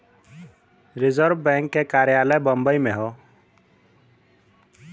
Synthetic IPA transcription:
ɾɪzəɾbbɛ̃ŋkːekaɾjaləjbɔmbəjmeɦɔ

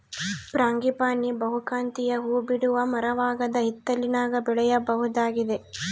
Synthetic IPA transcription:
pɾaːŋɡipaːnibɐɦukaːnt̪ijɐɦuːbiɽuʋɐmɐɾɐʋaːɡɐd̪ɐɦit̪ːɐlinaːɡɐbɛɭɛjɐbɐɦud̪aːɡid̪e̞

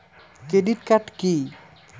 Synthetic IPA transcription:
kɾeɖiʈkaʈki

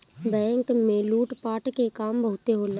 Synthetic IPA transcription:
bɛ̃ːŋkmẽluːʈpaːʈkekaːmbəɦʊt̪eɦol

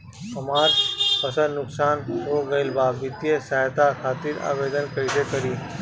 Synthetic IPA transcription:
ɐmaːɾpɐsəɾnʊksaːnoːɡɐelbaːbbɪt̪ijesaːt̪akʰaːt̪ɪɾa̰ːʋeːd̪ənkɐid̪ekɐɾiː

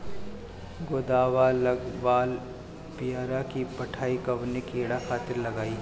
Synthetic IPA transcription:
ɡoːd̪aːʋalɐɡʋaːl | pijaːɾakipɐʈʰaːikɐbnekeːɽaxʰaːt̪ɪɾlɐɡaːi

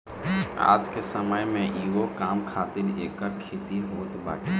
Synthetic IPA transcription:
a̰ːd͡ʒkesəməjmẽʔiːɡokaːmkʰaːt̪ɪɾeːkːəɾkʰeːt̪iɦoːt̪ba̰ːʈi

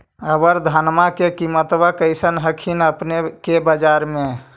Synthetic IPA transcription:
əbəɾd̪ʱanmakekimət̪ʋakəjsənɦəkʰinəpnekebəd͡ʒaɾme

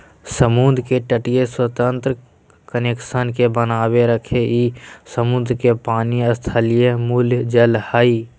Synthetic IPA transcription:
səmund̪keʈəʈijeswət̪ə̃nt̪ɾə | kənekʃənkebənaːweɾəkʰeʔiːsəmʊnd̪ɾkepaːniəst̪ʰalijemuljd͡ʒəlhaːiː

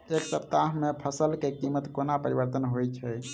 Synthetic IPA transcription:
eksəp̚t̪aɦmepʰəsəlkekimːət̪konapəɾibəɾt̪ənɦojt͡ʃʰɛ

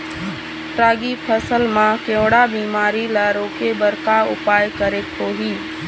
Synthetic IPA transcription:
ʈɾaːɡipʰəsəlmãkẽwɽabiːmaːɾilaɾoːkebəɾkaʊpaːjkəɾekɦoːɦiː

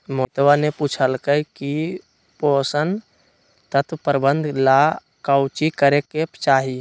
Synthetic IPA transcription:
mot̪waneput͡ʃʰəlkəɦki | poːsən | t̪ət̪ʰwpəɾbə̃nd̪ʱla | kəʊt͡ʃikəɾekept͡ʃaːɦi

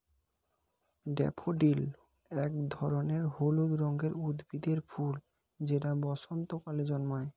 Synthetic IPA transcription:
ɖɛ̰pʰoɖil | ɛkd̪ʱɔɾoneɾholuɡɾɔŋɡeɾud̪bid̪eɾful | d͡ʑeʈabɔʃont̪okaled͡ʑɔnmae

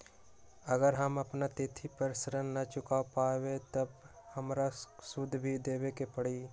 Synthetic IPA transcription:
əɡəɾɦɐmɐpnat̪ɪt̪ʰipəɾsəɾənːɐt͡ʃʊkapaːwet̪ɐbhɐmɾasʊd̪ʱːbʱid̪eːwekepəɽiː

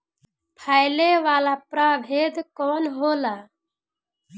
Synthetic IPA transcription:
pʰaːjleʋaːlaːpɾaːbʱeːd̪kɔːnɦoːlaː

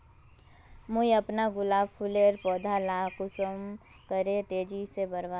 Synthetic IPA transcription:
mʊiɐpnaɡʊlaːbpʰuleːɾpɔːd̪ʱalaːkʊsəm | kəɾet̪eːd͡ʒisebɐɾʋa

